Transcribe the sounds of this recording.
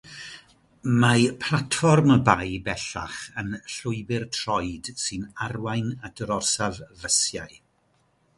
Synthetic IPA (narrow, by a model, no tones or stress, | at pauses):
mapʰlˠatfɔrməbajbɛɬa̰χənɬʊɨbɪrtʰrɔjd̥sɨnarwajnadɾɔrsavvəsja̰j